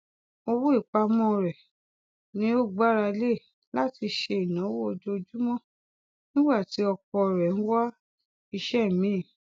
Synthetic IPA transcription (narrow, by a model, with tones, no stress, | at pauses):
o˧wo˦i˦˨k͡pa˧mɔ̃˦˧˨ɾɛ˨ | nĩ˦o˦˨ɡ͡ba˦ɾa˧le˦˨ | la˦ti˧ʃe˧i˨nã˨˦wo˦o˧d͡ʒo˧d͡ʒu˦mɔ̃˦˨ | nĩ˦ɡ͡ba˦˨ti˨˦ɔ˧kɔ˧˨ɾɛ˨ñ̩˦wa˦ | i˧ʃɛ˦˨mĩ˨˦˨